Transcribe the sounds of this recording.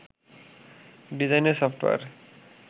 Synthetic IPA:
ɖizajnesɔpʰʈʋa̰ɾ

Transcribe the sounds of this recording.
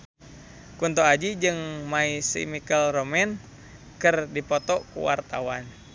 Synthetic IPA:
kunt̪oad͡ʒid͡ʒɨŋmaisḭmikəlromɛn | kɨrdipɔt̪ɔkṵwa̰rt̪awan

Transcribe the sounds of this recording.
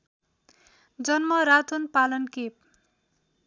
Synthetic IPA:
d͡zʌnmʌɾat̪ʰonpalʌnkep̚

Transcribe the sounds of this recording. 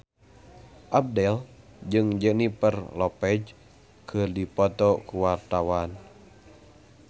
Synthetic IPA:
ʔab̚dɛl | d͡ʒɨŋd͡ʒənipərlɔpɛd͡ʒ | kʰɨrdipɔt̪ɔkuwart̪awan

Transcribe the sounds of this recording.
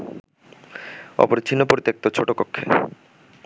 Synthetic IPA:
ɔ̰poɾt͡ɕʰinːopoɾit̪ːek̚t̪ot͡ɕʰoʈokokʰːe

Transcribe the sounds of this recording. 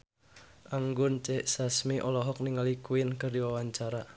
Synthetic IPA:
ʔaŋɡʊnt͡ʃɛʔsasmiʔɔlɔɦɔk̚niŋalikuɪnkərdiwawaɲt͡ʃaɾa

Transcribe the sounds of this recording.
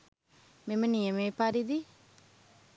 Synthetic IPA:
meməniəmepaɾid̪i

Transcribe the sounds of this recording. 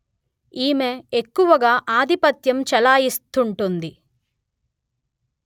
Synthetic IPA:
iːmeekːuʋɐɡaːʔaːd̪ʱipɐt̪jɐmt͡ʃɛlaːjist̪uɳʈund̪i

